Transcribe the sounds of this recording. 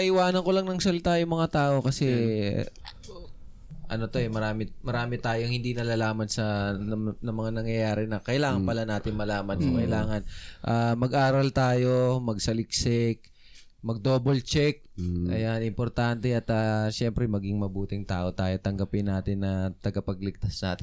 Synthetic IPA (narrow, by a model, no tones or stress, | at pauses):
ɐʔɪwaːnɐŋko̞lɐŋnɐŋsɐlɪt̪ajʊŋmɐŋat̪aːʔo̞kɐsɛ | ʔɐ̰no̞t̪o̞ɛmɐɾaːmɪmɐɾaːmɪt̪aːjoŋhɪnd̪inɐlalaːmɐnsɐ | nɐmɐŋanɐŋjɐjaːɾɛnɐkɐʔɪlaːŋɐnpɐlanaːt̪ɪnmɐlaːmɐnkʊkɐʔɪlaːŋɐnʔamɐɡʔaːɾɐlt̪aːjo̞mɐɡsɐlɪk̚sɛk̚ | mɐɡ̚d̪oːbolt͡ʃɛk̚ʔɐ̰janɪmpoɾt̪ant̪ɛɐt̪ɐːʃɛmpɾɛmɐɡɪŋmɐbuːt̪ɪŋt̪aːʔo̞t̪aːjo̞t̪ɐŋɡɐpɪnːaːt̪ɪnːɐt̪ɐɡɐpɐɡ̚lɪɡ̚t̪asna̰ːt̪ɪn